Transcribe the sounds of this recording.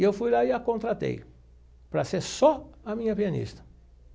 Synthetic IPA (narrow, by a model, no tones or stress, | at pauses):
ewfujlaɪakõnt̪ɾat̪ḛj | pɾɐseɾsɔɐmĩɲɐpiɐnḭst̪ɐ̥